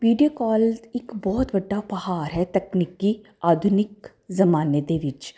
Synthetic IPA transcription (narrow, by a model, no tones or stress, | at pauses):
ʋiːɖijokɔːlɪkbɔːt̪bəɖːapəhaːɾɦɛt̪əknikːi | aːd̪ʱʊnɪk | zəmaːned̪eʋɪt͡ʃ